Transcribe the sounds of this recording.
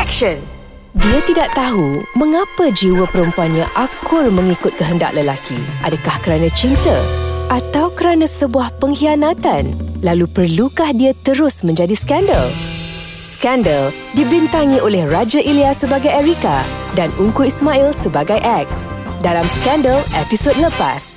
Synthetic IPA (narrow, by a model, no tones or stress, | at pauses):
kʃən | diat̪idaʔt̪aɦumə̃ŋapəd͡ʒiwəpəɾəmpuanɲãʔakʰʊlmə̃ŋikʊt̪̚kəɦənda̰ʔləlakʰḭʔadəkahkəɾanãt͡ʃint̪ə̰ʔat̪awkəɾanãsəbuahpəŋhianãt̪anlalupərlukahdiat̪əɾʊsmə̃ɲd͡ʒadiskandəl | skɛndəl | dibint̪aŋĩʔolɛhrad͡ʒaʔiliasəbaɡajɛɾika̰danʔuŋkuismailsəbaɡajʔɛk̚s | dalamskandəlɛpisod̚ləpa̰s